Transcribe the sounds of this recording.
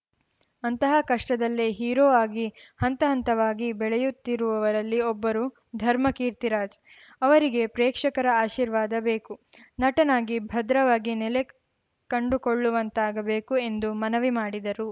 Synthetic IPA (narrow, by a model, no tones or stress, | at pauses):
ɐnt̪ɐɦɐkɐʂʈɐd̪ɐlːeɦiːɾoːaːɡihɐnt̪ɐɦɐnt̪ɐʋaːɡibɛɭɛjut̪ːiɾuʋɐʋɐɾɐlːiɔbːɐɾu | d̪ʱɐɾmɐkiːɾt̪iɾaːd͡ʒ | ɐʋɐɾiɡe̞pɾeːkʂɐkɐɾɐaːʃiːɾʋaːd̪ɐbeːkunɐʈɐnaːɡibʱɐd̪ɾɐʋaːɡinɛle | kɐɳɖukoɭːuʋɐnt̪aːɡɐbe̞ːkue̞nd̪umɐnɐʋimaːɽid̪ɐɾu